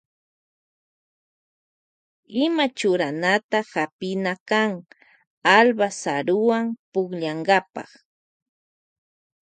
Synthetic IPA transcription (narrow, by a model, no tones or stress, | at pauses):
ɪmat͡ʃʊɾanat̪ahapɪnakaŋ | albasaɾʊwampʊkʎaɴɢɑpɑ̰χ